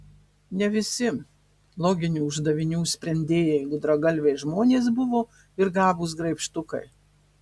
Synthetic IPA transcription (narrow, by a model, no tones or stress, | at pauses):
nʲɛʋʲɪsʲɪ | lˠoːɡʲɪnʲuːʊʒd̪ɐʋʲɪnʲuːsʲpʲɾʲɛnʲd̪ʲeːjɛjɛɪɡʊd̪ɾɐɡɐlʲʋʲeɪʒmoːnʲeːs̬bʊʋoː | ɪɾɡɑːbuːs̬ɡɾɐɪpʲʃt̪ʊkɐ̰ɪ